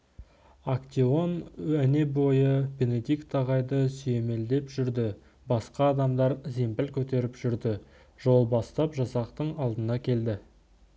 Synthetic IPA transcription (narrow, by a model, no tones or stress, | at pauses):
akt̪ʲio̞næne̞bo̞jəbe̞ne̞d̪ijkt̪ɑʁɑjd̪əsʏje̞me̞ld̪e̞pʒʏɾd̪ɪ | bɑsqɑːd̪ɑmd̪ɑɾze̞mpɪlkʲʰɵt̪e̞ɾɪpʒʏɾd̪ɪ | ʒo̞lˠbɑst̪ɑpʒɑsɑqt̪əɴɑlˠd̪ənɑkʲʰe̞ld̪ɪ